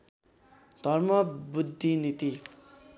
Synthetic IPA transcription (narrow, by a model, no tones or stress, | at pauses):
d̪ʱʌrmʌbud̪ʱːinit̪i